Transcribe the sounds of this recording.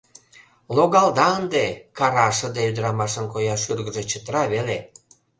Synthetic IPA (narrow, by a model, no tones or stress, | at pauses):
loɣɑld̪ɑənd̪ekɑɾɑʃə̆d̪eyd̪əɾɑmɑʃə̆nkojɑʃyrɣə̆ʒet͡ɕət̪ɾɑβele